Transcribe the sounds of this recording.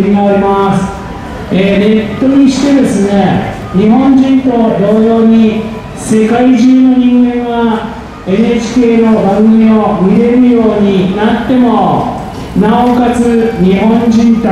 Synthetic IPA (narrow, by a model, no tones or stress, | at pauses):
imaɾemasɨ̥ | eːne̞t̪ːo̞ɲ̟iɕi̥t̪e̞d̪e̞sɨne̞ | ɲ̟iɦõ̞ɲd͡ʑĩnt̪o̞d̪o̞ːjo̞ːɲ̟i | se̞kaiʑɨːno̞ɲ̟ĩŋɡẽ̞ɰ̃βa | e̞nɯet͡ɕi̥ke̞ːno̞baɡɡɯmʲio̞mʲiɾe̞ɾɯ̟jo̞ːɲ̟inat̪ːe̞mo̞ | naokat͡sɨɲ̟ihõ̞ɲd͡ʑĩnt̪o